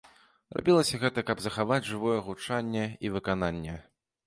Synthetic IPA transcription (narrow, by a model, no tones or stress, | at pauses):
zra̰bʲilˠɐsʲɐɣɛt̪ɐkɐbzɐxavad͡zʲʐɨvɔjɛɣut͡ʂanʲːɛivɨkan̪anʲːɛ